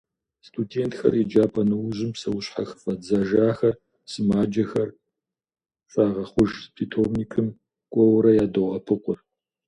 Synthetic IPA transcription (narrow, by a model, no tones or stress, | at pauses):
stʰudeːntxɐ̰rid͡ʒaːpʰʼɐnɨwʑɪmpsɐwʊɕħa̰xɨ̥fɐd͡zaʒaːxɐr | sɨmaːd͡ʒɐxɐr | faːʁɐχʷʊʒpʰiːtʰobnikʰɨm | kʷʼɔwɾɐjaːdɐʁɐpʰɨqʷʼʊr